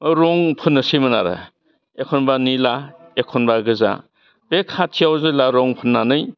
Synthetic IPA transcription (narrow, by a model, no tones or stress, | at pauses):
ɾɔŋpʰɯnːɯsimɯnaɾa̰ | ekʰɔnbanilaekʰɔnbaɡɯza̰ | b̥ekʰatʰijawzɯlaɾɔŋpʰɯnːanɯj